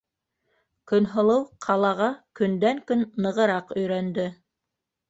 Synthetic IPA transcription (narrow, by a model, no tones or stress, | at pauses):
kɵ̆nɦŏlˠɤwqʰɑlˠɑʁɑkɵ̆nd̪æŋkɵnːɤ̆ʁɤ̆ɾɑqɵ̆jɾænd̪ɵ